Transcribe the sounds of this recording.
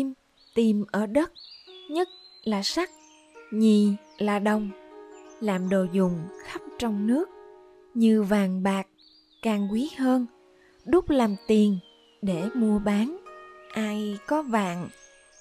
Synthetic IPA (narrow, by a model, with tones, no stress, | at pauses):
i˧m | t̪i˨˩mʔəː˧˩ɗə˦˥t̚ɲə˦˥t̚laː˨˩sa˦˥k̚ | ɲi˨˩ | laː˨˩ɗə˨˩wŋ͡m | laː˨˩mɗo˨˩zʊ˨˩ŋ͡mxa˦˥p̚t͡ɕɔ˧wŋ͡mnɨ˦˥ək̚ | ɲɨ˧vaː˨˩ŋɓaː˨˩k̚ | kaː˨˩ŋkwi˨˦həː˧n | ɗʊ˦˥k͡p̚laː˨˩mt̪i˨˩ən | ɗe˧˩mu˧əɓaː˨˦nʔaː˧jkɔ˨˦va̰ː˧˨ŋ